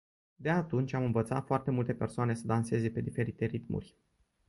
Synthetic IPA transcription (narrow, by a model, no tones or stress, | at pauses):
d̪eat̪unt͡ʃʲamɨnvət̪sat̪foart̪e̞mult̪epe̞rsoane̞səd̪anse̞ze̞pe̞d̪ife̞ɾit̪e̞ɾit̪mṵrʲ